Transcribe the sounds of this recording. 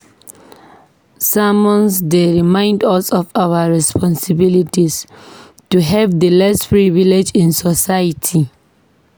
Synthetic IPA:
samɔ̃nsdeɹimãɪ̃ndɔsɔfawaɹɛspʰɔ̃nsibilitis | tuɦɛvdəlɛspɹiviled͡ʒĩnsɔsajatʰi

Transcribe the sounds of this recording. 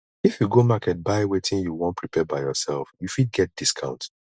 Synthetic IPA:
ifjuɡomakɛt̚baɪwetʰĩnjuwõnpʰɹipʰɛbaɪjɔsɛlfjufid̚ɡɛt̚d̥iskʰã̰ʊ̃nt

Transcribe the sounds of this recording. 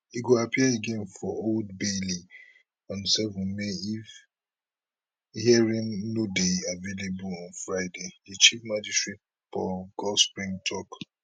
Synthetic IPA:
hiɡoapʰiaeɡẽnfɔold̚beli | ɔ̃nsɛvɔ̃nmeif | hiɛɹĩnnodeavelebulɔ̃nfɹaɪdeit͡ʃifmad͡ʒistɹit̚ | pɔɡ̥ɔlspɹĩŋtʰɔk

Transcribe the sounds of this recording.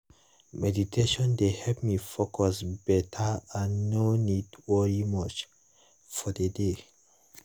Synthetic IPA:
mɛditʰeʃɔ̃ndehɛlpmifokʰɔsbɛtʰaãnːonidwɛɹimɔt͡ʃ | fɔdəde

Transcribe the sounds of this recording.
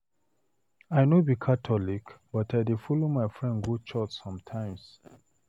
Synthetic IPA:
ajnobikʰatʰɔlikb̥ataɪdefɔlomaɪfɹɛ̃nɡut͡ʃɔt͡ʃsɔ̃mtʰãɪ̃ms

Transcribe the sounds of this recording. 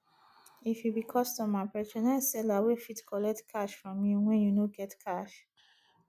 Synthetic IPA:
ifjubikʰɔstɔ̃mapɛt͡ʃɔ̃nãsɛlawefitkʰɔlɛk̚tkʰaʃfɹɔ̃mj̃ow̃ɛ̃junoɡɛtkʰaʃ

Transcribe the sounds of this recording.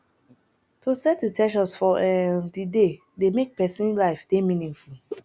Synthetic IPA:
tʰosɛt̚ditʰɛʃ̬ɔsfɔɛdide | demek̚pɛsĩnlilaɪfdemĩnĩŋfu

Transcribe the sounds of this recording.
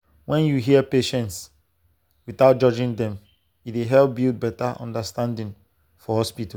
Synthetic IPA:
wɛ̃njuɦiəpeʃɛ̃nts | wiθaʊt̚d͡ʒɔd͡ʒĩŋdɛ̃m | itweɦɛlp̚bilt̚bɛtaʔɔ̰̃ndəstãndĩŋ | fɔhɔspitɔ

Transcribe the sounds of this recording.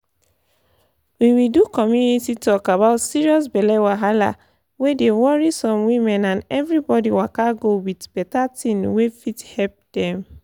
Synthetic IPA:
wiwildukɔmjunititʰɔkabaʊtsiɹiɔs̬bɛlɛwaɦala̰ | wedewɔɹisɔ̃mwĩmɛ̃nãnɛvɹibɔdiwakaɡowidb̥ɛtatĩnwefithɛlp̚d̥ɛ̃m

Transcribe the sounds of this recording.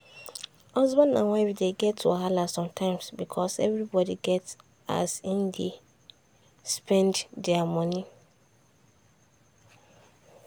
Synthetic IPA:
hɔzbɔ̃ndã̰nwaɪbdeɡɛtʰːṵɦalasɔ̃mtʰãɪ̃msbikʰɔsɛ̰vɾibɔdiɡɛt | a̰sĩndi | spʰɛ̃nddɛamɔ̃ni

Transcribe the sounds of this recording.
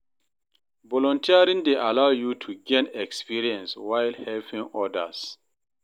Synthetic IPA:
bɔlɔ̃ntʰiaɾĩndeʔalawjutʰuɡɛ̃nɛkspiɹiɛ̃nswajlhɛlpĩŋɔdə̰s

